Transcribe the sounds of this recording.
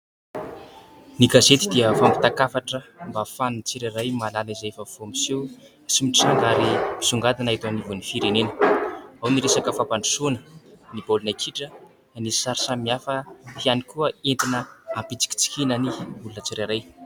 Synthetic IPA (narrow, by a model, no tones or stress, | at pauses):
niɡazet̪id̪iəfambi̥t̪akafaʈ͡ʂəmbafanunt͡siɾaɾajmalalaizafav̥omisi | simiʈ͡ʂaŋɡaɾimi̥suŋɡad̪anait̪anivunifiɾenenə̥awniɾesakəfapaɳɖ͡ʐu̥sunə̥nib̥olunakʰiʈ͡ʂə | nii̥saɾisamiafət̪ianikuəent̪inəampit͡si̥kʲi̥t͡si̥kinəniulunət͡siɾaɾaj